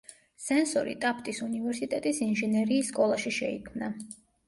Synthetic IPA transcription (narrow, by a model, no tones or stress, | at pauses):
sɛnsɔɾḭt̪ʼap̚ʰt̪ʼisunivɛɾsit̪ʼɛt̪ʼisinʒɛnɛɾiːsːkʼɔlˠaʃiʃɛḭkʰmna